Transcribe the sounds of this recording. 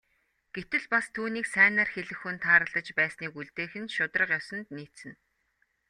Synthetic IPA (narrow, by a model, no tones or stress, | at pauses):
ɡ̥et̪ɘ̆ɮpast̪ʰuːniːksæːnaːrxeɮɘ̆xɵnt̪ʰaːɾə̆ɮə̆t͡ɕpæːsniːkuɮt̪eːxɘ̆nʃʊt̪rə̆qjɔsɞ̆nt̪niːt̪sɘ̆n